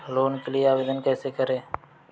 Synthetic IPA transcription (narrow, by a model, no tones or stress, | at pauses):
loːnkelɪeaːʋeːd̪ənkɛːseːkəɾeː